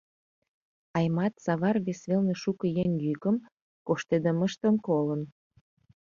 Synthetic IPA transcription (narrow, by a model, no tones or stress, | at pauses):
ɑjmɑt̪sɑβɑrβesβelnĕʃukə̆jeŋjykə̆m | koʃt̪ed̪əmə̆ʃt̪ə̆mkolə̆n